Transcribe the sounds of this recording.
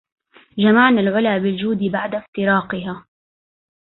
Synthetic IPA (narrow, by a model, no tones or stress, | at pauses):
d͡ʒamaʕnalʕʊlaːbɪld͡ʒuːd̪ɪbaʕd̪aft̪ɪɾɑːqɪɦaː